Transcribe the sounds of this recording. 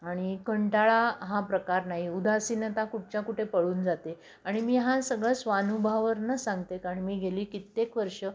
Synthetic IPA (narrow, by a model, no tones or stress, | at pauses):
aɽ̃ikəɳʈaɭaɦãpɾəkaɾnaɦiud̪ʱasinət̪akuʈ̚t͡ɕjakuʈʰepəɽuːnd͡zat̪e | aɽ̃imiːɦãsəɡɭəsʋanubʱaʋəɾnəsãŋɡt̪ekaɾəɳmiːɡʱeliːkit̪ːekʋəɾʂə